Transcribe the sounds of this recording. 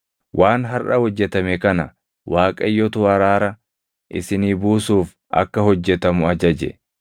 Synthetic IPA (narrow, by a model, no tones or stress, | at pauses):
wʔaːnɦɐrʔɐhɔd͡ʒːɛt̪ɐmɛkɐnɐ | waːkʼɐjːɔt̪ʊɐɾaːɾɐ | ʔɪsɪniːbuːsuːf | ʔɐ̰kːɐhɔd͡ʒːɛt̪ɐmʊɐd͡ʒɐd͡ʒɛ̰